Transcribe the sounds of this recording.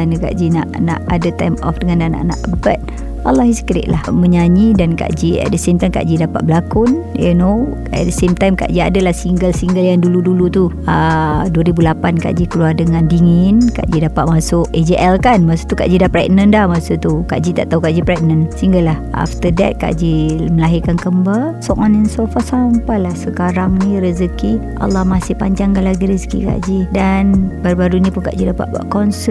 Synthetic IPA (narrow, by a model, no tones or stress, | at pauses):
anəka̰ʔd͡ʒina̰ʔna̰ʔadət̪ajmɔ̰fdəŋãnana̰ʔna̰ʔbət̪̚ | alːɔhiskɾḭʔ̪̚lahməɲaɲidanka̰ʔd͡ʒiɛ̰t̚dəsemt̪ajmka̰ʔd͡ʒidapat̪̚bəlakʊnjṵno | ɛ̰t̚dəsemt̪ajmka̰ʔd͡ʒiadəlahsiŋɡəlsiŋɡəljaŋduludulut̪uəduəɾibulapanka̰ʔd͡ʒikəluardəŋandiŋinka̰ʔd͡ʒidapaʔ̪̚masʊʔed͡ʒiʔɛlkanmasu̥t̪uka̰ʔd͡ʒidapɾɛk̚nəndahmasut̪uka̰ʔd͡ʒit̪aʔt̪aɦukaʔd͡ʒipɾɛk̚nənsiŋɡəlahʔa̰ft̪ədɛ̰t̪̚ka̰ʔd͡ʒiməlaɦikankəmbasɔʔɔnɛnsofasampalahsəkaɾaŋnĩɾəzəkiʔa̰lːɑhmasɪhpaɲd͡ʒaŋɡalaɡiɾizə̥kḭka̰ʔd͡ʒidanbaɾubaɾunĩpʊnka̰ʔd͡ʒidapa̰ʔba̰ʔkɔnsə